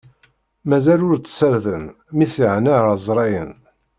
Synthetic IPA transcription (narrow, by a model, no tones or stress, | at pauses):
mæzælʊɾt͡sːsəɾðən | miθəʕnazˤɾˤɑjən